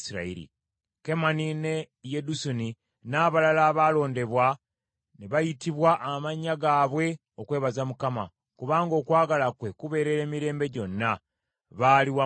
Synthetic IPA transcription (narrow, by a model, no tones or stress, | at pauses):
siɾa̰ḭɾḭ | ke̞manine̞ | jedusuni | naːβalalaːβaːlo̞ːnde̞βwa | neβajitiβwaʔːmaɲːaɡaːβwe̞ | o̞kwe̞ːβazamukama̰ | kuβaːŋɡo̞ːkwaːɡalakwe̞kuβe̞ːɾe̞ɾe̞ːmiɾe̞ːmbe̞ɟo̞nːa | βaliwa